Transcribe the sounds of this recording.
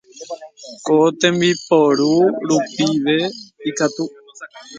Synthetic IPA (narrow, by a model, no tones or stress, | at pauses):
kot̪ẽmbipoɾuɾupiʋe̞ikat̪u